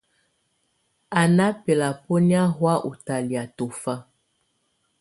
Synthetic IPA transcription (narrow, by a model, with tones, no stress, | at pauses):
a˨na˦pe˨la˨po˦ni˦a˦ɦwa˦ʔṵ˨ta˨li˨a˨to˨fa˦